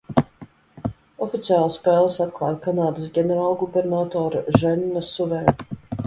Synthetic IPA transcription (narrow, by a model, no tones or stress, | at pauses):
ɔfit̪siaːlˠspɛːlˠsat̪klˠɑ̰ːj̪kanaːd̪ɨsɡʲɛnʲɛɾaːlˠɡubɛɾnat̪ɔːɾaʒɛnːɔsuvɛː